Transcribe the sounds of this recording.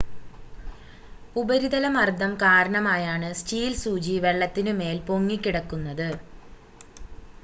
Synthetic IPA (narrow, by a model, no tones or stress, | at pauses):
ubɐɾiðɐlɐmɐrd̪ʱɐmkaːɾɐɳɐmaːjaːɳɨst͡ɕiːlsuːd͡ʑiʋe̞ɭːɐt̪ːinɨme̞ːlpo̞ŋːikʲːiɽɐkːunːɐðɨ